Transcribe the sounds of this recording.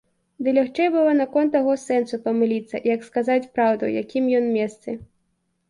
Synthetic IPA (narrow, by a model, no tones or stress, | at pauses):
d̪ɨlʲaxt͡ʂɛjbɨlˠɔnɐkɔnt̪ːaɣɔsɛnsupɐmɨlʲit̪sːɐ̰jɐkskazat͡sʲpɾawd̪ṵjakʲimjɔnmʲɛst̪sɨ